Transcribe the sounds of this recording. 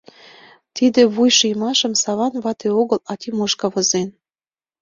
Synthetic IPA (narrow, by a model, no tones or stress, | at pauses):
t̪id̪ĕβujʃujmɑʃə̆msɑβɑnβɑt̪eoɣəlɑt̪ʲimoʃkɑβozen